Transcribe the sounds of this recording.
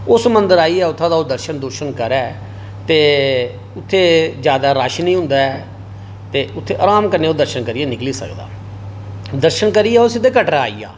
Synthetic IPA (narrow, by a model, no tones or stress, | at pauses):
ʊsmənd̪əɾaːiːɛːʊt̪ʰːãːd̪aːoːd̪əɾʃənd̪ʊɾʃənkəɾɛː | t̪eː | ʊt̪ʰːeːd͡ʒjaːd̪aːɾaːʃnĩːɦʊ̃nd̪aːɛː | t̪eːʊt̪ʰːeːʔa̰ːɾãːmkəɾneːoːd̪əɾʃənkəɾiːɛːnɪkliːsə̰kd̪a̰ː | d̪əɾʃənkəɾiːɛːosɪd̪eːkəʈɾaːḭːja̰ː